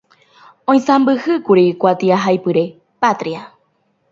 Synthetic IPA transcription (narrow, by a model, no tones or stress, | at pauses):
õj̃sãmbɨhɨkuɾikʷat̪iaɦajpɨɾe̞ | pat̪ɾia